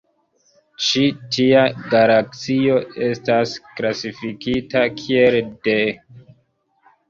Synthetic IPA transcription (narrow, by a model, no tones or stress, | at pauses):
t͡ʃitiaɡaɾak̚t͡sio̞e̞stasklasifikitakʰie̞lde